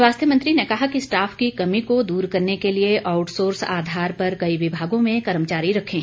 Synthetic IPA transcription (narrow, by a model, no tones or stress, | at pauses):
waːst̪ʰjəmɐ̃nt̪ɾinekɐɦakisʈaːfkikɐmikod̪uːɾkɐɾnekelieʔaːʊʈsoːɾsa̰ːd̪ʱaːɾpɐɾkɐiʋɪbʱaːɡõmẽkɐɾəmt͡ʃaːɾiɾɐkʰẽː